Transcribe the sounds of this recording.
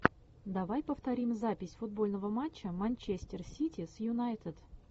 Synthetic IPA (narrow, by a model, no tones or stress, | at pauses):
d̪ɐvajpəft̪ɐɾʲimzapʲɪsʲfʊd̪̚bolʲnəvəmat͡ɕːəmɐnʲt͡ɕesʲtʲɪrsʲitʲɪsjʊnajt̪ɪt̪